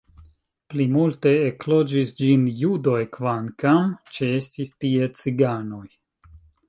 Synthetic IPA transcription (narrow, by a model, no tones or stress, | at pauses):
plimulte̞ːklo̞d͡ʒisd͡ʒinjudo̞jkvankamt͡ʃeestistie̞t͡siɡano̞j